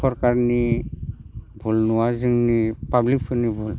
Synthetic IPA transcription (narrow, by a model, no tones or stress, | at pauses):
ɔɾkaɾni | bʱulnuwazɯŋnipablik̚pʰɯnibʱul